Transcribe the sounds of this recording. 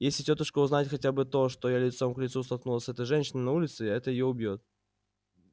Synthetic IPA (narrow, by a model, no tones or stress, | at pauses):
jesʲlʲɪtʲot̪əʂkəʊznatʲxɐtʲabɨt̪o̞ʂt̪ojalʲɪt̪so̞mklʲɪt̪sust̪ɐlˠknulˠəsʲɛt̪əjʐɛnʲɕɪnɨnɐulʲɪt̪sɨɛt̪əjɪjoʊbʲjot̪̚